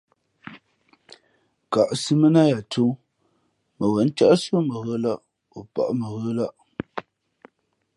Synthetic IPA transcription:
ka˨ʔsi˦mə˦na˦ja˨tu˦ | mə˨wɛ˨˦n˦t͡ʃa˦ʔso˦mə˨ɣə˦la˦ʔ | o˨pa̰˨ʔmə˨ɣə˦la˦ʔ

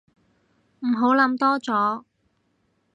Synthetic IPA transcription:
m̩˨˩ɦo˨˥wlɐ˨˥mt̪ɔː˥t͡sɔː˨˥

